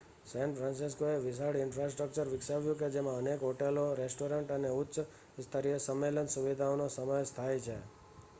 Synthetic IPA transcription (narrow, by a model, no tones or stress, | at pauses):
sɛ̃nfʰɾãnsiskoeʋɪsaɽɪnfɾasʈɾək̚t͡ʃəɾʋɪksaʋjũked͡ʒemãənekɦoʈeloɾesʈoɾəɳʈəneʊtːʃ | st̪ʰəɾijəsəmːelənsuʋid̪ʱaonosəməjst̪ʰajt͡ʃʰḛ